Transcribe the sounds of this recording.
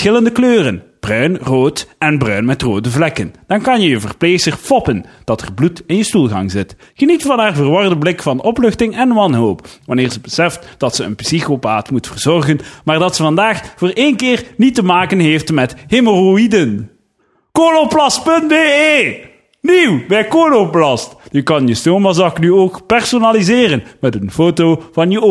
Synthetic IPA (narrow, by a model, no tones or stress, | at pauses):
ɪləndəkløːrənb̥rœɥnroːtɛnbrœɥnmɛtroːdəvlɛkənd̥ɑnkɑnjəjəvərplesərfɔpənd̥ɑtʰɛ̰rblutɪnjəstulˠɣɑ̰ŋzɪt | χənitfɑnɦaːrvərʋɔrdəblɪkfɑnɔplɵxtɪŋɛnʋɑnɦowpʋɑnɪːɹzəbəsɛftd̥ɑtsəə̰npsixopaːtmutfərz̥ɔrɣənmaːrdɑtsəvɑndaːxvoːreːnkɪːrnitəmaːkənɦeːftmɛtheməroidən | koloplɑspɵntbeːeː | niwbɛjkoːloplɑsjəkɑnjəstoːmazɑknyoːkpɛrsonalizɪːrənmɛtənfoːtowvɑnjəo